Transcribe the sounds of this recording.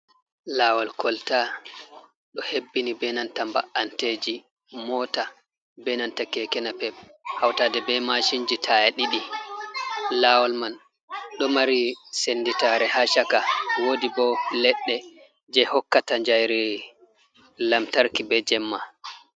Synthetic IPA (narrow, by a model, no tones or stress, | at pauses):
laːwɔlkʰɔlta | ɗɔhebːinibɛnantamba̰ʔanted͡ʒi | mɔːta | bɛnantakɛkɛnapɛb̚hawtaːdɛbɛmaʃind͡ʒitʰajaɗiɗi | laːwɔlman | ɗɔmaɾisenditaɾɛhaʃakawodibɔlɛɗːɛ | d͡ʒɛhɔkːataɲd͡ʒajɾɛ | lamtaɾkibɛd͡ʒɛmːa